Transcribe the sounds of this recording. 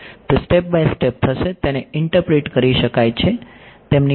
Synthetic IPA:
t̪osʈep̚bajsʈep̚t̪ʰəʃet̪eneɪɳʈəɾpɾeʈkəɾiʃəkajt͡ʃʰet̪emni

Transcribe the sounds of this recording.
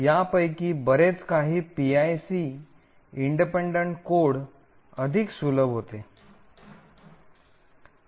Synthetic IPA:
japəjkiːbəɾet͡skaɦiːpiajsi | iɳɖipeɳɖəɳʈkoɽ | əd̪ʱiksuləbɦot̪e

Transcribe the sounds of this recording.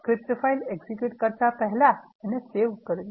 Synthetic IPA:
kɾiptəfaileɡsikjuʈkəɾt͡sapəɦla | ɛneseʋkəɾli

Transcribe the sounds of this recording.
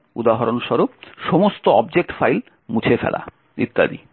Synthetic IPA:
ud̪aɦaɾonʃɔɾupʃomost̪oɔb̚d͡ʑek̚ʈfajl | mut͡ɕʰefɛ̰la̰ | ḭt̪ːa̰d̪ḭ

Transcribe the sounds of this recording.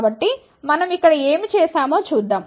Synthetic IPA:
bɐʈːi | mɐnɐmikːɐɽɐeːmit͡ʃeːsaːmo̞ːt͡ʃuːd̪ːaːm

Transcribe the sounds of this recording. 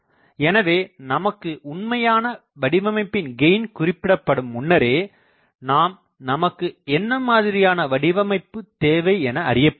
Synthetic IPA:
ɛnɐʋeːnɐmɐkːɯʔʊɳmɐjaːnɐ | ʋɐɽɪʋɐmɐɪpːɪnɡɛɪnkʊrɪpːɪɽɐpːɐɽɯmʊnːɐɾeː | naːm | nɐmɐkːɯɛnːɐmaːðɪɾɪjaːnɐʋɐɽɪʋɐmɐɪpːɯt̪eːʋɐɪɛnɐɐɾɪjɐpː

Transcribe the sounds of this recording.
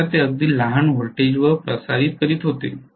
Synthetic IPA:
at̪eəɡ̚d̪iːlaɦanʋəɾʈed͡ʑʋəpɾəsaɾiːt̪̚kəɾiːt̪ɦot̪ḛ

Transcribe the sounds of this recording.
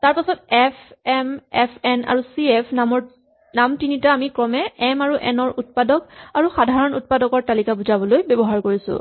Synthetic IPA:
taɹpasɔtɛpʰɛmɛpʰɛna̰ɹusiɛpʰnamɔɹ | namtinitaːmikɹɔmɛɛmaɹuʔɛ̰nɔɹut̚padɔkaɹuxadʱaɹɔnut̚padɔkɔɹtalikabuzabɔlojbɔbɔɦaɹkoɹisʊ̰̃

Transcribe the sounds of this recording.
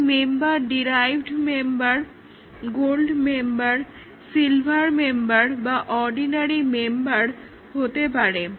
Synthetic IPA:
membaɾɖiɾajbʱɖmembaɾ | ɡolɖmembaɾ | silbʱaɾmembaɾbaʔɔɾɖinaɾimembaɾ | hot̪epaɾe

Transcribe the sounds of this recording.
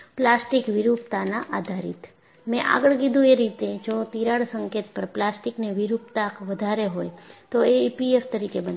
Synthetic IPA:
plasʈikʋiɾupt̪anaʔad̪ʱaɾḭt̪ | mɛ̃ʔa̰ɡəɭkid̪ʱũeɾit̪ed͡ʒot̪iɾaɽsəŋket̪pəɾplasʈikneʋiɾupt̪akʋəd̪ʱaɾeɦojt̪oeipieft̪əɾikebən

